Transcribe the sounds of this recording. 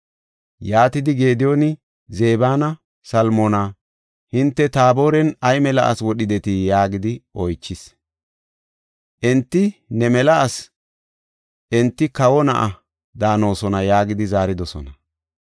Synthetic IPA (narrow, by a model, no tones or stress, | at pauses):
jaːt̪ɪd̪ɪɡe̞ːd̪ɪjonɪ | ze̞ːbaːnɐ | sɐlmona | hɪnt̪ːɛt̪aːbo̞ːɾɛnɐjmɛlɐ̰ʔɐ̰swɔɗɪd̪ɛt̪ɪjaːɡɪd̪ɪʔɔjt͡ʃːɪs | ʔɛnt̪ːɪnɛmɛlɐʔɐs | ʔɛnt̪ːɪkɐwɔnɐ̰ʔɐ | d̪aːno̞ːsɔnɐjaːɡɪd̪ɪzaːɾɪd̪ɔsɔ̰nɐ